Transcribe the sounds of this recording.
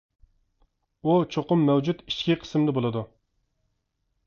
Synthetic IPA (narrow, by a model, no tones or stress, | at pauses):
ut͡ʃʰoqʊmːɛwd͡ʒut̪i̥ʃkʲiqʰə̥smd̪ɛbolˠɨd̪u